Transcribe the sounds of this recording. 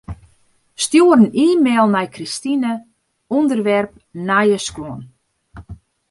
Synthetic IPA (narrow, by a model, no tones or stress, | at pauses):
stjuəɾəniːmeːlˠnɛjkristinə | ɔndərʋɛrp̚ | najəskɔən